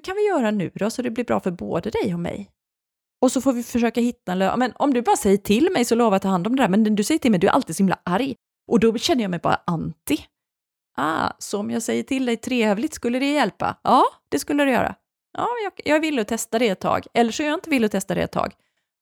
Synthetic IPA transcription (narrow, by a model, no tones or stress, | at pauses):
kʰanvɪjœːɾanʉ̟̰ːd̪ɔsɔd̪ɛblɪɾbɾɑ̰ːfœɾbo̰ːd̪əd̪ɛjɔmɛ̰j | ɔsɔfoːvɪfœʂøːkahɪt̪ːaɛnlø̰mɛnɔmd̪ɵbɑːɾasɛjːəʈʰɪlmɛjsɔloːvat̪ʰːɑːhand̪ɔmd̪ɛd̪æɾmɛnd̪ɵsɛjəʈʰɪlmɛjd̪ʉæ̰ɾa̰lt̪ɪid̪sɔhɪmla̰ʔaɾj | ʔɔd̪ɔɕɛnːəjɑːmɛjbɑ̰ːɾa̰ʔant̪ɪ | ʔa̰ːsɔːmjɑɡsɛjːəʈʰɪld̪ɛjt̪ʰɾeːɛːvlɪɡt̪skɵlːəɾɛjɛlpa̰ʔɑːd̪̥ɛskɵlːəɾɵjœ̰ːɾa̰ | jɑ̰ːmɛnjɑjɑːɡvɪlːəɔt̪ʰɛst̪ad̪ɛɛt̪ʰːɑ̰ːɡɛlːəʂɔmjɑɪnt̪əvɪlːɔt̪ʰɛst̪ad̪ɛ̰ɛ̰t̪ʰːɑ̰ːɡ